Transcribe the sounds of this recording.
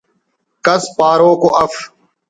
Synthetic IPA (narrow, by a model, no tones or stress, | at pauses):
kəspaːɾoːkoːʔəf